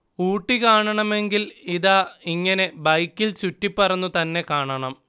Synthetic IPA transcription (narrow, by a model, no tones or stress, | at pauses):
uːʈːikaːɳɐɳɐme̞ŋɡiliðaːiŋːɐne̞bɐjkːilt͡ɕutːipːɐrɐnːut̪ɐnːe̞kaːɳɐɳɐm